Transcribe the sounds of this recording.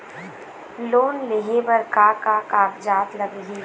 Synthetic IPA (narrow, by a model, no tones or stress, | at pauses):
loːnleɦebɐɾkaːkakaːkd͡ʒaːt̪ləɡɡiː